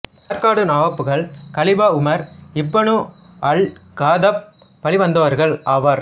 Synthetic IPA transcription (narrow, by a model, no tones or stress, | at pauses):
sɐɾkaːɽɯnaːʋɐpːɯɣɐɭkɐɭɪbaːʊmɐɾɪpːɐɳɯ̃ | ɐɭɡaːðɐpː | ɐɭiʋɐnd̪ɐʋɐɾɣɐɭaːʋɐɾ